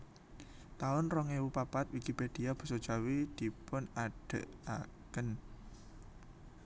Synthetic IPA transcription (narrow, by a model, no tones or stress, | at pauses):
t̪aʊnrɔŋewupapat̪̚wikiped̪̥i̤ab̥ṳsɔd̥ʒ̥a̤wid̪̥i̤pʊnaɖ̥ə̰̤ʔakən